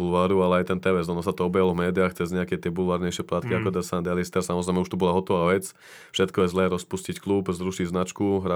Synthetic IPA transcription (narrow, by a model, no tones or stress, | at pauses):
ulʋaːɾualɛajt̪ɛnt̪ɛʋɛzɔnɔsat̪ɔɔbjalɔvmɛːd̪iaːxt͡sɛzɲɛakɛt̪ɪɛbulʋaːɾɲɛjʃɪɛplaːt̪kiakɔd̪ɛsand̪ɛlist̪ɛɾsamɔzɾɛɪmɛuʃt̪ɔbɔlaɦɔt̪ɔʋaːʋɛt͡s | fʃɛt̪kɔjɛzlɛːɾɔspuscicklubzɾuʃiɟznat͡ʃkuɦɾa